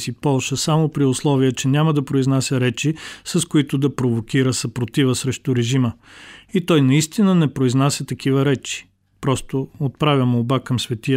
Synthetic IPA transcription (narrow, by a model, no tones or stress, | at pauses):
sipɔlˠʃəsamopɾiʊslˠɔvijət͡ʃɛnʲaməd̪ɐpɾoiznasʲəɾɛt͡ʃisɐskʊit̪ʊd̪ɐpɾovokʲiɾəsɐpɾot̪ivəsɾɛʃt̪ʊɾɛʒiməit̪ɔjnɐist̪inənɛpɾoiznasʲət̪ɐk̟ivəɾɛt͡ʃi̥ | pɾɔst̪oot̪̚pɾavʲɐmobakɐmsvɛt̪iə